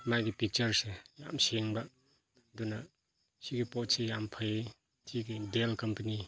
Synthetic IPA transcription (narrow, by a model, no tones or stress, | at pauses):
majɡipik̚t͡ʃɐɾseja̰mseŋba | duna | siɡipɔt̚sejampʰaj | tʰiɡidelkɐmpɐni